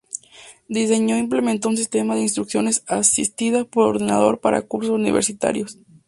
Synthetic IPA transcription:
d̪is̬e̞ɲo̞imple̞ment̪ounsist̪e̞maðeinst̪ɾuksjo̞ne̞sasist̪iðaspo̞ɾoɾðina̰ð̞o̞̰ɾpaɾa̰kuɾsosunḭβe̞ɾsit̪a̰ɾjos

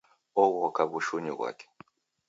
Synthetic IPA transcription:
ɔɣɔkaβuʃuɲiβwa̰kʰe̥

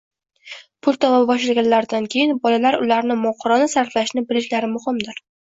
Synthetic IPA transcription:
pʰʊlˠt̪ʰɒmabbɒʃlaɡʲanlaɾd̪ankʲʰe̞jɪnbɒlalaɾʊlaɾnɪmɒqʰʊɾɒnasaɾflaʃnɪbɪlɪʃlaɾɪmʊhɪmd̪ɪɾ

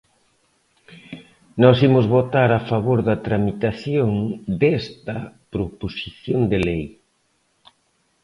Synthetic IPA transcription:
nɔsimʊzβot̪aɾafaβoɾðɐt̪ɾamit̪aθjoŋd̪ɛst̪ɐpɾoposiθjond̪elej

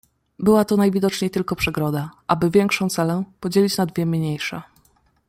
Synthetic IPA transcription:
bɘwat̪ɔnajvʲid̪ɔt͡ʂɲejt̪ɘlkɔpʂɛɡɾɔd̪aʔabɘvʲjɛŋkʂɔ̃w̃t̪sɛlɛpɔd͡ʑelʲit͡ɕnad̪vʲjɛmʲɲejʂɛ̰

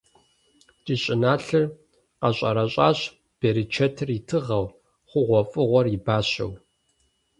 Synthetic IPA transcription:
tʼiːɕʼɪnaːɬɨr | qɐɕʼɐ̰ɾɐɕʼaːɕ | b̥eːɾit͡ʃʰɐtʰɨritʰɨʁɐw | χʷʊʁʷɔfʼɨʁʷɔribaːɕɐ̰w

